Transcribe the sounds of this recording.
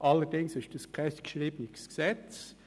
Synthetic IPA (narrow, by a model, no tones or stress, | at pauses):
ʔɑlːədɪŋsɪʃd̥əskʁɛstkʃʁiːbəniksksɛt͡s